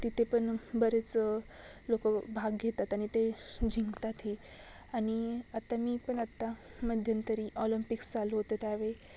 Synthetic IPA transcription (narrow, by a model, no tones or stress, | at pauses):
t̪it̪ʰepəɳbəɾet͡s | lokəbʱaɡɡʱet̪at̪aɽ̃it̪ed͡ʑʱiŋɡt̪at̪ɦi | aɽ̃iat̪amiːpəɳat̪ːaməd̪ʱjənt̪əɾiʔɔlimpiksd͡zaloɦot̪ət̪jaʋe